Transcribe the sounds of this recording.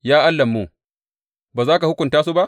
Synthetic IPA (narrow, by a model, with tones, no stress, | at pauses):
jaː˦ʔa˦lːɐ˨mːu˦˨ | baː˨zaː˦ka˨hʊ˦kʷʊ˨ntaː˦s̬u˦ba˦ʔ